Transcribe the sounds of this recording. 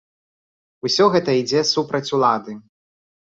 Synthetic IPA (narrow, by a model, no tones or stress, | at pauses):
usʲɔɣɛt̪ɐid͡zʲɛsupɾɐt͡sʲulˠad̪ɨ